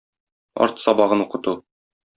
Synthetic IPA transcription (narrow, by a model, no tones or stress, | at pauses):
ɒ̰ɾt̪sɒbɑʁɤnuqɤ̆t̪u